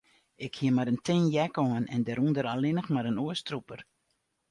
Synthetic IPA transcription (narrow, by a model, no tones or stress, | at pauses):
ɪkhiəmaɾəntɪnjɛkɔənɛ̰ndɛɾundəɾalɪnəxmaɾənuəstrupər